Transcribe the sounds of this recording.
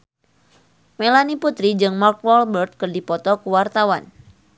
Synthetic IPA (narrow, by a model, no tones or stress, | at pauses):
melaniput̪ɾid͡ʒɨŋmark̚wɔlbərt̪̚kɨrdipɔt̪ɔkuwart̪awa̰n